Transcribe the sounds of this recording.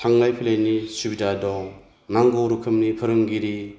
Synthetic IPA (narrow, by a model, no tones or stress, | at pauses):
tʰaŋlajpʰilajnisubidadɔŋ | naŋɡɔɾukʰɯmnipʰɯɾɯŋɡiɾi